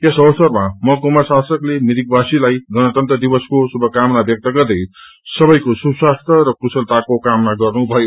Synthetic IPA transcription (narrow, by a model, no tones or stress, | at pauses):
esʌwʌsʌrmamʌkomarsasʌklemid̪ikbasilajɡʌnʌt̪ʌnt̪rʌd̪ibʌskosubʱʌkamnabjʌk̚t̪ʌɡʌrd̪ʌj | sʌbʌjkosubsast̪ʰʌɾʌkusʌlt̪akokamnaɡʌrnubʱʌjo